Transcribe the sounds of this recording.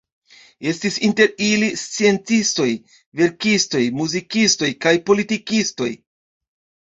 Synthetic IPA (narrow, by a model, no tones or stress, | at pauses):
e̞stisinte̞ɾilist͡sie̞nt͡sisto̞j | ve̞ɾkisto̞jmuzikisto̞jkajpo̞litikisto̞̰j